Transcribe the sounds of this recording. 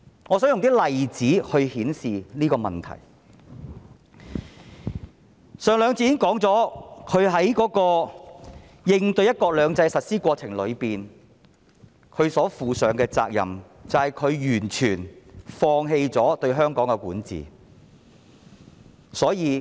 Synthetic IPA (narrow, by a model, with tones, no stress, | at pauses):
ŋɔː˨˥sœː˨˥jʊ˨ŋt̪iː˥lɐ˨jt͡siː˨˥hɵ˧ɥhiː˨˥nsiː˨niː˥kɔː˧mɐ˨˩nt̪ʰɐ̰˨˩j | sœː˨˧ŋlœː˨˧ŋt͡siː˧jɪ˥ŋkɔː˨˥ŋt͡sɔː˨˥kʰɵ˨˧ɥɦɐ˨˥jkɔː˨˥kɔː˧ | jɪ˧ŋt̪ɵ˧ɥjɐ˥t̚kɔː˧k̚lœː˨˧ŋt͡sɐ˧jsɐ˨t̚siː˥kʷɔː˧t͡sʰɪ˨˩ŋlɵ˨˧ɥpiː˨n | kʰɵ˨˧ɥsɔː˨˥fuː˨sœː˨˧ŋkɛː˧t͡sa̰ː˧k̚jɐ̰˨m | t͡sɐ˨whɐ˨jkʰɵ˨˧ɥjyː˨˩nt͡ʃʰyː˨˩nfɔː˧ŋɦe˧jt͡sɔː˨˥t̪ɵ˧ɥɦœː˥ŋkɔː˨˥ŋkɛ˧kuː˨˥nt͡sḭː˨˩ | sɔː˨˥jiː˨˧